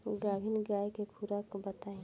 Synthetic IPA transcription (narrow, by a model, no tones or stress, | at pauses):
ɡaːbʱinɡaːjkepʰuɾakbɐt̪aːẽ